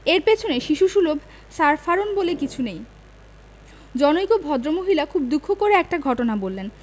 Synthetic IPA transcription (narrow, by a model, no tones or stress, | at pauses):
eɾpet͡ɕʰoneʃiʃuʃulobʱ | saɾfaɾonbolekit͡ɕʰunej | d͡ʑɔnojkobʱɔd̪ɾomoɦilakʰub̚d̪ukʰːokoɾeɛk̚ʈaɡʱɔʈonabolːen